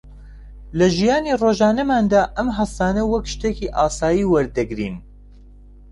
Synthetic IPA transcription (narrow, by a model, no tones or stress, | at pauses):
lɐʒijaːniːroːʒaːnɐmaːnd̪aːʔɐmɦɐst̪aːnɐwɐkʃt̪eːkiʔaːsaːjiːwɐɾd̪ɐɡɾḭːn